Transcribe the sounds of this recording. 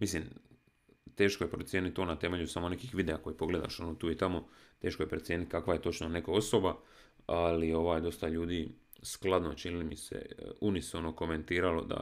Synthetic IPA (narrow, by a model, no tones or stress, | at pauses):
mislim | t̪e̞ːʃkoje̞pɾot̪sjeːnit̪̚t̪ːo̞ːnat̪e̞me̞ʎusamo̞ne̞kixʋid̪eako̞jipo̞ɡle̞d̪a̰ʃo̞noːt̪uːit̪amo̞t̪e̞ːʃkoje̞pɾet̪sjeːnit̪̚kakʋaje̞t̪o̞t͡ʃnonekoo̞so̞ba | alio̞ʋaːjd̪o̞st̪aʎuːd̪iː | sklˠad̪no̞t͡ʃinilimisḛunisono̞ko̞me̞nt̪iːɾalo̞̰d̪a̰